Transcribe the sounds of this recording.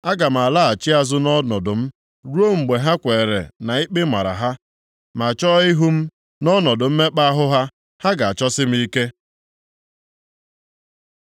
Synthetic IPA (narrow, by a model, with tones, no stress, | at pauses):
a˦ɡa˨m̩˨a˨la˦a˨t͡ʃi˦a˨zʊ˦nɔ˦nɔ˨dʊ˨m̩˦ | ɾu˦o˦ŋ͡m̩˨ɡ͡be˨ɦa˦kʷe˨ɾḛ˨na˨i˦k͡pɪ˦ma̰˨ɾa̰˨ɦa˦ | ma˨t͡ʃɔ˦i˦ɦu˦m̩˦ | nɔ˦nɔ˨dʊ˨m̩˦me˦k͡pa˦a˦ɦʊ˦ɦa˦ | ha˦ɡa˨a˨t͡ʃɔ˦sɪ˦m̩˦i˦ke˦